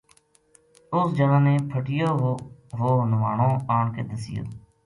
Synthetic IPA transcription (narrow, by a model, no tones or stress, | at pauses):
ʊsd͡ʒənãːnẽːpʰəʈɪjoːɦoɦoːnʊʋaːɳõːaːɳkeːd̪əsɪjo̰ː